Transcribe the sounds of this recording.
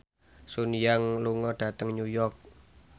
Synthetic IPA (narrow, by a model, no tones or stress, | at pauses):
sunjaŋluŋɔɖ̥a̤t̪əŋɲujɔrk̚